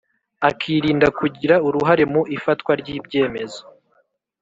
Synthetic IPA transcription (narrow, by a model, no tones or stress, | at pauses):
akʰiːɾiːndakuɟiɾauɾuɦaɾe̞muʔifatkwaɾɟiːbɟe̞ːme̞zo